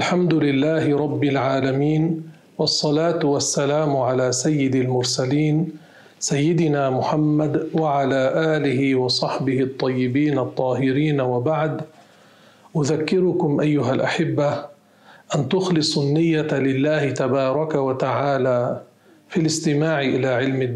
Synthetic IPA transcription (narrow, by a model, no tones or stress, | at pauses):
ʔalħamd̪ʊlɪlːaːhɪɾˤɑbːɪlʕaːlamiːn | wɑsˤːɑlaːt̪wasːalaːmʊʕalaːsajːɪd̪almʊɾsaliːn | sajːɪd̪ɪnaːmʊħamːad̪waʕalaːʔaːlɪɦɪwɑsˤɑħbɪhɪt̪ˤːɑjːɪbiːnɑt̪ˤːɑːɦɪɾiːnawabaʕd̪ | ʔʊðakːɪɾʊkʊmʔajːʊɦalʔaħɪbːa | ʔant̪ʊxlɨsˤnːɪjːalɪlːaːhɪt̪abɑːɾˤɑkawat̪aʕaːlaː | filɪst̪ɪmaːʕɪʔɪlaːʕɪlmɪ